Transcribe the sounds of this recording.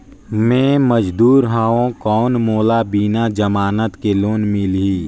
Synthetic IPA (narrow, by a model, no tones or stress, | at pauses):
mẽːməd͡ʒd̪uːɾɦãːõkɔːnmoːlabiːnad͡ʒɐmaːnət̪keloːnmɪlɦiː